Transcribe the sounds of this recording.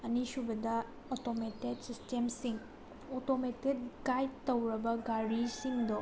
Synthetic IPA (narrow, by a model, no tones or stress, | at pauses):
ɐnisubɐdɐ | otometet̚sistemsiŋ | otometet̚ɡajtɐwɾɐbɐɡaɾisiŋdɔ